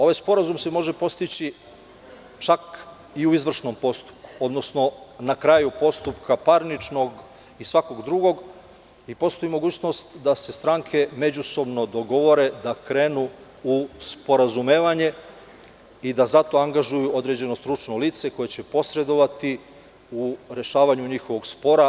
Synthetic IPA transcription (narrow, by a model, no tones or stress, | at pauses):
o̞ʋajspo̞ɾazumse̞mo̞ʒe̞po̞st̪it͡ɕi | t͡ʃak | iuizʋr̩ʃno̞mpo̞st̪u̥p̚ku̥o̞d̪no̞sno̞nakɾajupo̞st̪upkʰapaɾnit͡ʃnoɡ | isʋako̞ɡd̪ɾuɡo̞ɡ | ipo̞st̪oimo̞ɡuːt͡ɕno̞st̪d̪ase̞st̪ɾaŋkʰe̞me̞d͡ʑuso̞bno̞d̪o̞ɡo̞ʋo̞ɾe̞d̪akɾe̞ːnu | uspo̞ɾazumeːʋaɲe̞ | id̪azat̪o̞aŋɡaʒujuʔo̞d̪ɾe̞d͡ʑe̞no̞st̪ɾut͡ʃno̞liːt̪se̞ko̞jet͡ɕe̞po̞sɾe̞d̪o̞ʋat̪i | uɾe̞ʃaːʋaɲuɲixo̞ʋo̞ɡspo̞ɾa